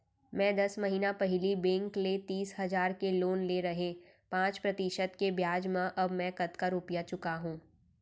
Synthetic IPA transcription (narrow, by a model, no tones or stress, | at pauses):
mɛ̃ːd̪ɐsmɐɦiːnapɐɦɪlibẽːŋklet̪iːsɦɐzaːɾkeloːnleɾɐɦẽ | pãːt͡ʃpɾɐt̪ɪʃəd̪kebjaːd͡ʒmãʔɐbmɛ̃kɐt̪kaɾuːpjat͡ʃʊkaɦũː